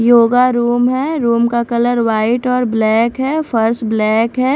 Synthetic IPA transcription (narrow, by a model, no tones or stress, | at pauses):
joːɡaɾuːmɦɛːɾuːmkakɐləɾʋwaːɪʈɔːɾblɛːkɦɛːfʰɐɾsblɛːkɦɛː